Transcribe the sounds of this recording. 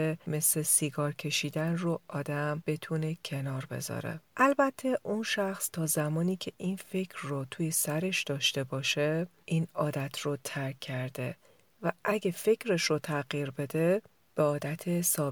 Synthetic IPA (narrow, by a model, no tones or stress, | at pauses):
eme̞slesiɡɒːɾcʰe̞ʃiːd̪ænroʔɒːd̪æmb̥e̞t̪ʰune̞cʰe̞nɒːɾbe̞̰zɒ̰ːɾḛʔælbæt̪ʰːe̞ʔunʃæxst̪ʰɒːzæmɒːniːcʰeʔinfe̞cʰɾːot̪ʰuːjesæɾe̞ʃd̪̥ɒːʃt̪e̞bɒːʃeʔiːnɒːd̪æt̪ʰrot̪ʰæɾkʰːæɾd̪e̞ | væʔæɟefe̞cʰɾe̞ʃɾot̪ʰæɣjiɾbe̞d̪e̞ | b̥eɒːd̪æt̪ʰesɒː